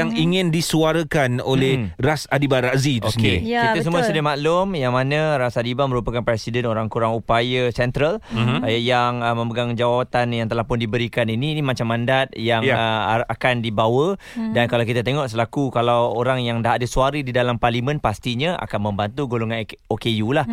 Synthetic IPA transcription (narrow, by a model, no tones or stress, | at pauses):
jaŋiŋɪndisuaɾəkanolɛrasadibaɾaʔzitusəniɾḭkit̪əs̬əmũasədmaʔlʊmjaŋmanə̃ɾasadibamə̃ɾupakanpɾɛsidɛnoɾaŋkuɾaŋupajəsɛnt̪ɾalajajaŋəmə̃mbəɡaŋd͡ʒawat̪anjaŋt̪əlahpʊndibəɾikaniniːnimat͡ʃamːãndat̪̚jaŋjəakandibawə | dankalawkit̪at̪eŋɔʔsəlakukalawoɾaŋjaŋdaɦadəsuaɾədidalamparlimə̃npast̪iɲə̃ʔa̰kanmə̃mbant̪uɡoloŋanokejulah